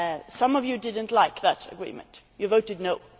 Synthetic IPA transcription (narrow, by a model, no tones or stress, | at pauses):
sʌ̃mʌvjɨdɪdⁿn̩tlaɪkðətə̰ɡɹḭːmə̰̃ntjɨvoʊtɨdⁿnoʊ